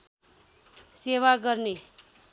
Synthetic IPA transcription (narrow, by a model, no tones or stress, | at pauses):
sewaɡʌrne